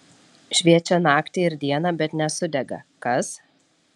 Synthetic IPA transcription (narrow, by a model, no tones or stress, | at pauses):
ʃʲʋʲiɛt͡ʃʲɛnɑːkt̪ʲɪɪɾd̪ʲiɛnɐbʲɛt̪nʲɛsʊd̪ʲɛɡɐ̰kɐs